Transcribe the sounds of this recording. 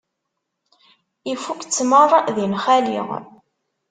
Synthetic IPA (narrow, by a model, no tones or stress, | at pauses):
ifukt͡sːmərˤðinχælḭʁ